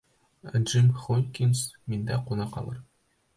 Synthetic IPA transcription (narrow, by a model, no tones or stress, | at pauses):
æ̰ʒimχonʲkʲinsmind̪æqunɑqɑ̰lˠɤɾ